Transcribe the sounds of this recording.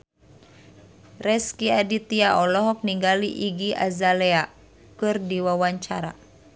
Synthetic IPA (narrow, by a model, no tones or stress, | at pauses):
rɛskiadit̪iaɔlɔɦɔk̚niŋɡaliʔiɡiʔa̰zalɛa | kɨrdiwawaɲt͡ʃaɾa